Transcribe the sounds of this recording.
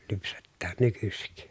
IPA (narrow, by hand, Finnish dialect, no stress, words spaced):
lypsetːæːn nykysik